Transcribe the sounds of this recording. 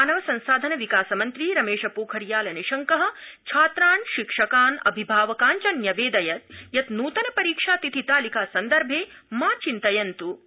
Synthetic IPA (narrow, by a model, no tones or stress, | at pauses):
aːnɐʋɐsɐ̃nsaːd̪ʱɐnɐʋikaːsɐmɐnt̪ɾiɾɐmeːʃɐpuːkʰɐɾjaːlɐniʃɐŋkɐɦɐ̆t͡ʃʰaːt̪ɾaːnʃikʂɐkaːnɐ̰bʱibʱaːʋɐkaːnt͡ʃɐnjɐʋeːd̪ɐjɐt̪̚jɐt̪nuːt̪ɐnɐpɐɾiːkʂaːt̪it̪ʰit̪aːlikaːsɐnd̪ɐɾbʱeːmaːt͡ʃint̪ɐjɐnt̪u